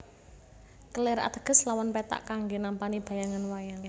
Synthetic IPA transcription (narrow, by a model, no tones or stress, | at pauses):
kəleɾa̰t̪əɡ̥ə̤slawanpɛt̪a̰ʔkaŋɡenampanib̥a̤jaŋanwajaŋ